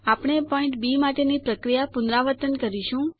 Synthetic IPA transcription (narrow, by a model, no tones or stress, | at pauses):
apɽ̃epɔɪ̃ɳʈbimaʈenipɾəkɾijapʊnɾaʋəɾt̪ənkəɾiʃũ